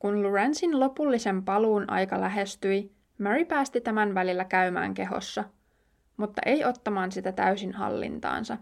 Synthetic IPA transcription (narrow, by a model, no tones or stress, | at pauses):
kunluɹænsinlo̞pulːise̞mpɑluːnʔɑ̰jkɑlæɦe̞st̪yj | meɹipæːst̪it̪æmænʋælilːækæymæ̰ːŋke̞ɦo̰sːɑ | mut̪ːɑ̰ʔe̞jʔo̞t̪ːɑmɑːnsit̪æt̪æ̰ysinhɑ̰lːḭnt̪ɑ̰ːnsɑ